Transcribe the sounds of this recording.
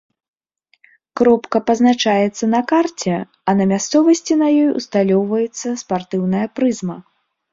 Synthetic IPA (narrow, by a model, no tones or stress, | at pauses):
kɾɔpkɐpɐznat͡ʂajɛt̪sːɐnɐkart͡sʲɛ | ɐnɐmʲast̪sɔvɐsʲt͡sʲinɐjɔjṵst̪alʲɔwvɐjɛt̪sːɐspart̪ɨwnɐjɐpɾɨzmɐ